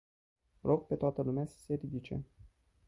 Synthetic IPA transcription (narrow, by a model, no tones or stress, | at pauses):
lʔoɡ̚pe̞t̪oat̪əlumeasə̥se̞ɾid̪it͡ʃe̞̰